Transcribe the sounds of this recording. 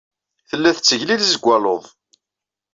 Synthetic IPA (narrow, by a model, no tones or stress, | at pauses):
θəlːæθt͡sːəʝlilzəɡʷːæloðˤ